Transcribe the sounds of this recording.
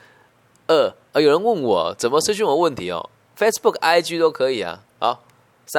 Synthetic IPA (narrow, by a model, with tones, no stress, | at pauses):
ə˥˩ | ə˧˩jo˨˩ʊɻə˧˦nwə˥˩nwɔ̰˨˩˦t͡sə˨˩nmə˦ʂɻ̩˥ɕy˥˩nwɔ˨˦wə˥˩nt̪ʰi˧˥ɔ̰˧ | fe˥ɪspu˥˩ka˥ɪt͡ɕy˥t̪o˥ʊkʰɤ˧˥i˨˩ɐ̰˩ | ɔ̰˧˦ | sa˥